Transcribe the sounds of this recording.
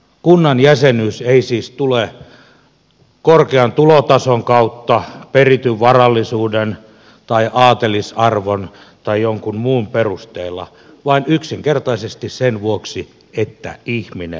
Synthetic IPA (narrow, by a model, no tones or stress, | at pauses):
kunːɑnjæsenyːseisiːst̪ule | korkeɑnt̪ulot̪ɑsoŋkɑut̪ːɑperit̪yʋʋɑrɑlːisuːden | t̪ɑiʔɑːt̪elisɑrʋon | t̪ɑijoŋkummuːmperust̪eːlːɑ̰ | ʋɑinyksiŋkert̪ɑisest̪issenʋuoksi | et̪ːæ̰ihminḛ